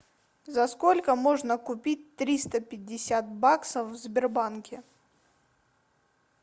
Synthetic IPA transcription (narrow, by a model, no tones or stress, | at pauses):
zɐskolʲkəmo̞ʐnəkʊpʲit̚ʲt̪ɾʲist̪əpʲɪdʲːɪsʲat̪̚baksəfvzbʲɪrbankʲɪ